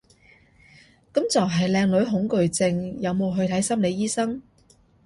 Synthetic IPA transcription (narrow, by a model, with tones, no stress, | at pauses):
kɐ˨˥mt͡sɐ˨wɦɐ˨jlɛː˧ŋlɵ˨˥ɥɦʊ˨˥ŋkɵ˨ɥt͡sɪ˧ŋjɐ˨˧wmo˨˧wɦɵ˧ɥt̪ʰɐ˨˥jsɐ˥mle˨˧jiː˥sɐ˥ŋ